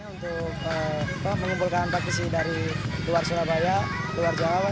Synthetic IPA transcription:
unt̪ʊ | k̚əapaməɲumbulkanpak̚isidaɾiluarsuɾabajaluard͡ʒawawa

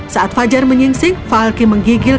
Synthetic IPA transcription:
saʔat̪̚fad͡ʒarməɲiŋsɪŋfalkiməŋɡiɡɪl

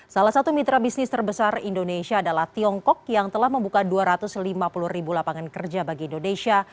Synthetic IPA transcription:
salahsat̪umit̪ɾabisnɪst̪ərbəsarindoneʃiaːdalaht̪iɔŋkɔk̚jaŋt̪əlahməmbukaduaɾat̪ʊslimapuluhribulapaŋankərd͡ʒabaɡiːndonesia

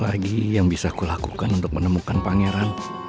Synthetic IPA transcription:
laɡijaŋbisakulakukanunt̪ʊk̚mənəmukanpaŋeɾan

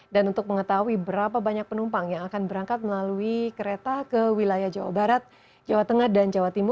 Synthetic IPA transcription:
danunt̪ʊk̚məŋət̪aɦuibəɾapabaɲak̚pənumpaŋjaŋakanbəɾaŋkat̪̚məlaluikəɾet̪akəwilajahd͡ʒawa̰baɾat̪̚ | d͡ʒawat̪əŋahdand͡ʒawat̪imʊ

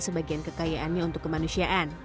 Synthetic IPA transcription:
səbaɡiankəkajaʔanɲaunt̪ʊkːəmanusiaʔan

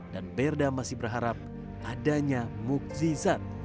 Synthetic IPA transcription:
danbɛrdamasɪbərɦaɾap̚ | adaɲamuk̚zizat̪̚

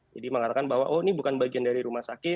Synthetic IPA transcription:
d͡ʒadiməŋat̪akanbawa̰ʔonibukanbaɡiandaɾiɾumahsakɪ

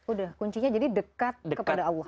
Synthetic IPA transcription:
udahkuɲt͡ʃiɲad͡ʒadidəkat̪̚dəkəpadaawlɔ

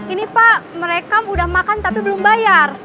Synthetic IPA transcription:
inipaʔməɾekaudahmakant̪apibəlʊmbajar

